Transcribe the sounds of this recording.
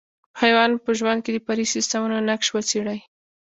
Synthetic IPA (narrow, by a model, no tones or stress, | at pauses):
hajwɑnpəʒwand̪̚ked̪əpaɾisɪst̪amunonakʃwət͡seɽaj